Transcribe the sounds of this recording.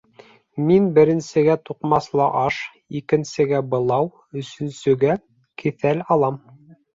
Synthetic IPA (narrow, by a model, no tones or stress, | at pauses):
minbɘ̆ɾɘ̆nsɘ̆ɡæt̪uqmɑslˠɑʔɑʃ | ikɘ̆nsɘ̆ɡæbɤ̆lˠɑw | ɵ̆sɵ̆nsɵ̆ɡæ | kiθælɑlˠɑm